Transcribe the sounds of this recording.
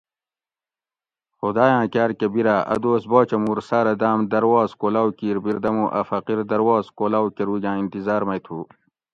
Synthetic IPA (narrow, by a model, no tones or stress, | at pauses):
xud̪aːjãːkaːɾkebiɾaːʔɐ̰d̪oːsboːt͡ɕɐmuːɾsaːɾɐd̪aːmd̪ɐɾwaːzkolaːwkiːɾbiɾd̪ɐmũːʔɐfɐqiɾd̪ɐɾwaːzkolaːwkeɾuːɡʲãːint̪izaːɾmɐjt̪ʰuː